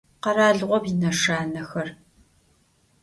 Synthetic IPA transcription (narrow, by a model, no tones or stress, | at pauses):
qɐɾaːɮʁʷɔbinɐʂaːnɐxɐr